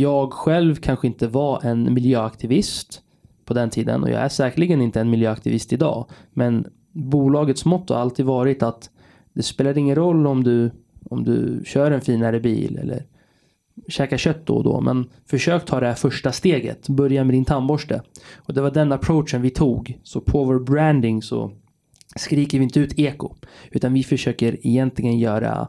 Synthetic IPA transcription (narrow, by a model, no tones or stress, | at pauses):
jɑːɡɧɛlvkʰanɧəɪnt̪əvaʔɛnmɪljøːakt̪ʰɪvɪst̪ | pʰɔd̪ɛnt̪ʰiːd̪ə̰nɔ̰jɑ̰ːæʂɛːkəɭɪɡənɪnt̪əɛnmɪljøːakt̪ɪvɪst̪ɪd̪ɑ̰ːmɛn | buːlɑːɡət̪smɔt̪ʰːha̰ɾalt̪ʰiːd̪vɑːɾɪt̪at̪ | d̪ɛspeːlad̪ɪŋːənɾɔlːɔmd̪ɵ | ɔmd̪ɵ̰ɕœːɾɛnfiːnaɾəbḭːlɛ̰lːə̰ɾ | ɕɛːkaɕœt̪̚ːd̪ɔ̰d̪ɔ̰mʔɛ̰n | fœʂøːk̚t̪ʰɑːd̪ɛhæfœʂʈast̪eːɡə̰t̪bœɾjanmɛd̪ɪnt̪ʰambɔʂʈə̰ɔd̪ɛvaɖɛnːapʰɾoʊʂənvɪt̪ʰuːɡsɔpʰɔvɔɾbɾænd̪ɪŋsɔ̰ | skɾiːkəɾvɪɪnt̪əʉ̟ːt̪ʰeːkʊʉ̟ːt̪anvɪfœʂøːkəɾɛjɛnt̪lɪɡənjœːɾa̰